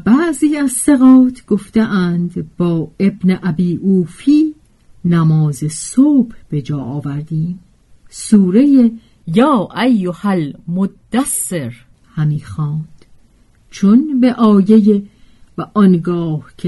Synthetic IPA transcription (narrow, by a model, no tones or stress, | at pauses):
bæʔziːæzseɣɒːt̪ʰɡ̥o̞ft̪eʔænd̪bɒːe̞bneʔæbiːʔuːfiː | næmɒːzesoːb̥hb̥e̞d͡ʒɒːʔɒːvæɾd̪iːm | suːɾe̞je | jɒːʔæjːohælmod̪ːæsːeɾ | hæmiːxɒːnd̪̥ | t͡ʃʰonbe̞ʔɒːje̞je | væʔɒnɡɒːhcʰe